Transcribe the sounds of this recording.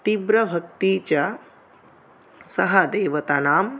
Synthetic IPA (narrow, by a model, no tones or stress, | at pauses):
t̪ibɾɐbʱɐk̚t̪iːt͡ʃɐ | sɐɦɐd̪eːʋɐt̪anaːm